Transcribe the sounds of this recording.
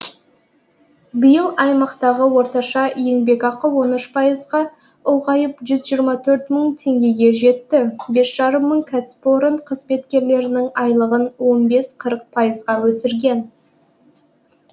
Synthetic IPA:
bijəlˠɑjmɑqt̪ɑʁəwo̞ɾt̪ɑʃɑje̞ŋbe̞kɑqəwo̞nʏʃpʰɑjəzʁɑ | ʊlˠʁɑjəpʒʏzʒijəɾmɑt̪ʰɵɾt̪məɴt̪ʰe̞ŋɡʲe̞ɡʲe̞ʒe̞t̪ːɪbe̞sʒ̥ɑɾəmːəɴkʲʰasɪ̥po̞ɾənqʰəzme̞t̪kʲe̞ɾle̞ɾɪnɪŋɑjlˠəʁənwo̞nbe̞sqʰəɾəq̚pʰɑjəzʁɑwɵsɪɾɡʲe̞n

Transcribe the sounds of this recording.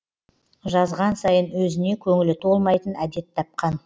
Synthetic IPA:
ʒɑzʁɑnsɑjənwɵzɪne̞kʲʰɵŋɪlɪt̪ʰo̞lˠmɑjt̪ənæd̪e̞t̪ʰːɑp̚qɑn

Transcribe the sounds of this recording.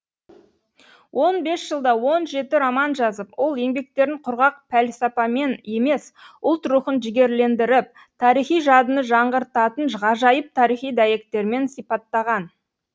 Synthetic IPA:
wʔo̞nbe̞sʒ̥əlˠd̪ɑwo̞nʒe̞t̪ɪɾɑmɑnʒɑzəpwo̞lˠje̞ŋbe̞k̚t̪e̞ɾɪɴqʰʊɾʁɑq̚pʰælsɑpɑme̞ne̞me̞sʊlˠt̪ɾuχənʒɪɡʲe̞ɾle̞nd̪ɪɾɪp̚ | t̪ʰɑɾijχijʒɑd̪ənəʒɑɴʁəɾt̪ɑt̪ənʒʁɑʒɑjəp̚t̪ʰɑɾijχijd̪ɑje̞k̚t̪e̞ɾme̞nsijpɑt̪ːɑʁɑn

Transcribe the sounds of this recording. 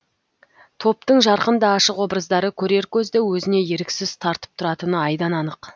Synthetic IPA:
t̪ʰo̞pt̪əɴʒɑɾqənd̪ɑːʃəqwo̞bɾəzd̪ɑɾəkʲʰɵɾe̞ɾkʲʰɵzd̪ewɵzɪne̞jeɾɪkʲsɪzt̪ʰɑɾt̪ə̥p̚t̪ʰʊɾɑt̪ənəɑjd̪ɑnɑnəq

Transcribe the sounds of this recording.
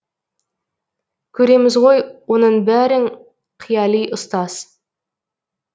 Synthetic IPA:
kʲʰɵɾe̞mɪzʁo̞jwo̞nəɴbæɾɪŋ | qʰijɑlˠijʔʊst̪ɑz̥

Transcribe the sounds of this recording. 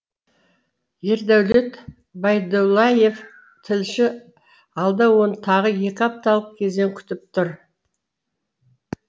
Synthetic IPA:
jeɾd̪æwle̞t̪ | bɑjd̪olˠːɑje̞f | t̪ʰɪlʃɪ | ɑlˠd̪ɑwo̞nət̪ʰɑʁəje̞kʲɑp̚t̪ɑlˠəq̚kʲʰe̞zd̪eŋkʲʰʏ̥t̪ɪp̚t̪ʰʊɾ

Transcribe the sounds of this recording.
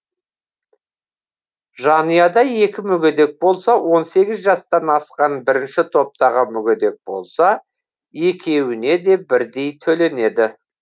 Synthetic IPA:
ʒɑnijɑd̪ɑje̞kʲɪmʏɡʲed̪e̞k̚bo̞lˠsɑwo̞nse̞ɡʲɪzʒɑst̪ɑnɑsqɑnbɪɾɪnʃɪt̪ʰo̞p̚t̪ɑʁəmʏɡʲed̪e̞k̚bo̞̰lˠsɑ | je̞kʲʰe̞wɪne̞d̪e̞bɪɾd̪e̞jt̪ʰɵle̞ne̞d̪ɪ

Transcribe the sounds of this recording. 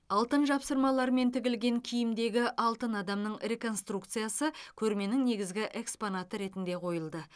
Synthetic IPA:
ɑlˠt̪ənʒɑpsəɾmɑlˠɑɾme̞nt̪ʰɪɡʲɪlɡʲe̞ŋkʲʰijɪmd̪e̞ɡʲɪʔɑlˠt̪ənɑd̪ɑmnəɴre̞ko̞nst̪rukt̪sɨijasəkʲʰɵɾme̞nɪŋne̞ɡʲɪzɡʲɪʔe̞kspo̞nat̪əɾe̞t̪ɪnd̪e̞qʰo̞jəlˠd̪ə

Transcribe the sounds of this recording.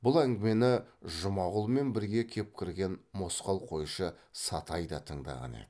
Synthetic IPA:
bʊlˠæŋɡʲɪme̞nɪʒʊmɑʁʊlˠme̞nbɪɾɡʲe̞kʲʰe̞p̚kʲʰɪɾɡʲe̞nmo̞sqɑlˠqʰo̞jʃəsɑt̪ɑjd̪ɑt̪ʰəɴd̪ɑ̰ʁɑ̰nḛd̪

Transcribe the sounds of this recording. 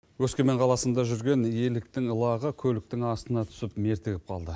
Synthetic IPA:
wɵskʲe̞me̞ɴqʰɑlˠɑsənd̪ɑʒʏɾɡʲe̞nje̞lɪk̚t̪ɪŋəlˠɑʁəkʲʰɵlɪk̚t̪ɪŋɑst̪ənɑt̪ʰʏ̥sɪpme̞ɾt̪ɪɡʲɪp̚qʰɑ̰lˠd̪ə

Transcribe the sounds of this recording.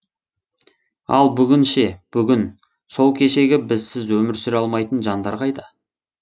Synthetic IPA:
ɑ̰lˠbʏɡʲɪnʃe̞b̥ʏɡʲɪn | so̞lˠkʲʰe̞ʃe̞ɡʲɪbɪzsɪzwɵmɪɾsʏɾɑlˠmɑjt̪ənʒɑnd̪ɑɾʁɑjd̪ə

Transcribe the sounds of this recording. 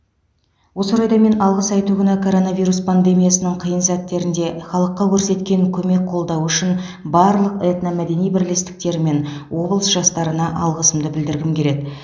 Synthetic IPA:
wo̞səɾɑjd̪ɑme̞nɑlˠʁəsɑjt̪uɡʲɪnɑkʰo̞ɾo̞navʲijɾuspʰand̪e̞mijasənəɴqʰijənsæt̪ːe̞ɾɪnd̪e̞χɑlˠəqːɑkʲʰɵɾse̞t̪kʲe̞ŋkʲʰɵme̞k̚qʰo̞lˠd̪ɑwʏʃɪn | bɑɾlˠəqet̪nɑmæd̪e̞nijbɪɾle̞st̪ɪ̥k̚t̪e̞ɾɪme̞nwo̞blˠəsʒɑst̪ɑɾənɑʔɑlˠʁəsəmd̪əbɪld̪ɪɾɡʲɪmkʲe̞ɾe̞d̪ɪ

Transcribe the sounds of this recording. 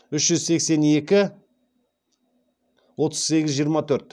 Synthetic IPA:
ʏʃʒʏzse̞kse̞ne̞kʲɪ | wo̞t̪ʰəz̥se̞ɡʲɪzʒijəɾmɑt̪ʰɵɾt̪̚

